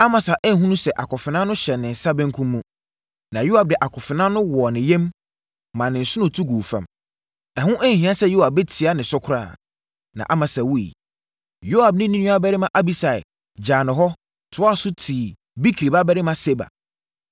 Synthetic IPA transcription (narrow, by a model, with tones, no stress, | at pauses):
a˦mã˨sa˨ʔɛ˦ɦũ˦nũ˦sɛ˨ʔa˨kʰɔ˨fɪ˨nã˦nʊ̃˦ɕɛ˨nːɪ̃˨n̩˨sa˦bɛ̃˦ŋ̩˦kʰũ˦mːũ˦ | nã˨jo˦a˨b̚dɪ˨ʔa˨kʰɔ˨fɪ˨nã˦nʊ̃˦wɔ˨nɪ̃˨jɛ̃˦mː | ã˨nɪ̃˨n̩˨sʊ˦nʊ̃˨tʰu˦ɡuː˨fã̰˨m | nã˨hʊ̃˦ʔɛ˦ŋ̩˨hĩ˦ã˦sɛ˦jo˦a˨bɛ˦tʰi˨a˦nɪ̃˨sʊ˦kʰʊ˦ɾa̰ː˦˨ | nã̰˨ʔa˦mã˨sa˨wu˦ḭ˨ | jo˦a˨b̚nɪ̃˦nĩ˦nũ˦a˦bɛ˦ɾɪ˦mã˨ʔa˦bi˦sa˨ɪ̰˨ | d͡ʑaː˨nɪ̃˨ɦɔ˦ | tʰʊ˨˦a˦sʊ˦tʰiː˨ | bi˦kʰi˨ɾi˨ba˦bɛ˦ɾɪ˦mã˦se˦ba̰˨